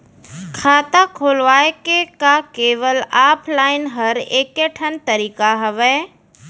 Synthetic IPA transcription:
kʰaːt̪akʰoːlʋaːekekakeːʋəlaːpʰlaːɪnɦɐɾeːkeʈʰənt̪əɾiːkaɦəʋɛː

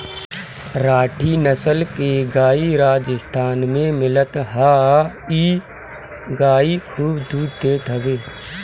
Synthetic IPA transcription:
ɾaːʈʰinəsəlkeɡaːiɾaːd͡ʒəst̪ʰaːnmẽmɪlət̪ɦaː | iː | ɡaːikʰuːbd̪uːɾd̪eːt̪əbeː

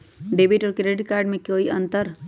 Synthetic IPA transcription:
ɖeːbiːʈɔːɾkeɾeɖikaːɾɖmẽkoːiʔɐ̃nt̪əɾ

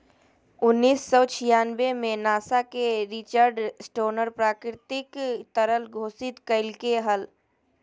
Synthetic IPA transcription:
ʊnːiːsːɔːt͡ʃʰɪjaːnbemẽnaːsakeɾɪt͡ʃəɾɖsʈoːnəɾpɾaːkɾɪt̪ɪkt̪əɾəlɡʱoːsɪt̪kəɪlkeɦəl

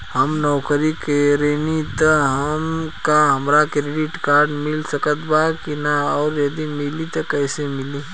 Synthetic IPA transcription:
həmnɔːkəɾikeɾenit̪əɦəmkaɦɐmɾakɾeɖɪʈkaːɾɖmɪlsəkət̪bakinaɔːɾjɐd̪imɪlit̪ɔkəɪsemɪli

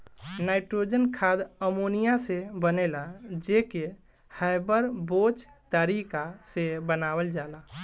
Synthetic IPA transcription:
naɪʈɾod͡ʒənkʰad̪əmonijasebənelad͡ʒeke | hajbəɾbot͡ʃt̪əɾikasebənawəld͡ʒala

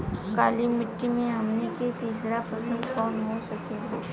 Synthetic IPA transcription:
kaːlimɪʈːimẽɦɐmneket̪iːsɾapʰɐsəlkɔːnɦosɐkeɡɛː

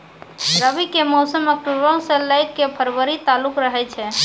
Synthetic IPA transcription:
ɾəbikemɔsəməkuɾbə̃wsə̃ləjkːepʰəɾʋəɾit̪alukɾəɦɛt͡ʃʰɛ

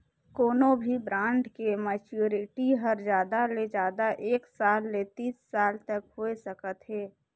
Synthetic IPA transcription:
koːnõbʱibɾãːɳɖkemɛːt͡ʃuːɾɪʈiɦəɾd͡ʒjaːd̪aled͡ʒjaːd̪aʔeːksaːlːet̪iːsːaːlt̪əkɦoːesəkət̪ɦɛː

